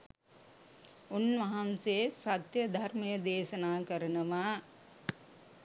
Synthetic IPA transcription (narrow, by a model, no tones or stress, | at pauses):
unʋɐɦɐnseːsat̪jəd̪ʱarmɐjəd̪eːʃɐnaːkəɾɐnɐʋaː